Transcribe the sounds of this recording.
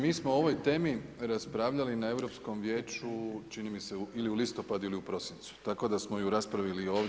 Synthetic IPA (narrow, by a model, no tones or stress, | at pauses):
miːsmoo̞ʋo̞jt̪e̞ːmiɾaspɾaːʋʎalinae̞ʋɾo̞ːpsko̞mʋje̞ːt͡ʃut͡ʃinimise̞uiliulist̪o̞pad̪uiliupɾo̞sint̪su̥t̪ako̞d̪asmo̞juɾaspɾaʋilio̞ːʋ